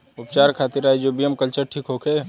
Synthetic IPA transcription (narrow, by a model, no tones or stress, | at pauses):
ʊpt͡ʃaːɾkʰaːt̪iɾaːed͡ʒobijəmkəlt͡ʃəɾʈʰiːkɦokʰe